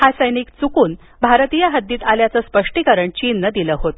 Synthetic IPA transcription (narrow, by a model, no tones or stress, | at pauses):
hasəjniːkt͡sukuːn | bʱaɾt̪ijaɦəd̪ːiːt̪aljat͡səspəʂʈikəɾəɳt͡ɕiːnːəd̪iləɦot̪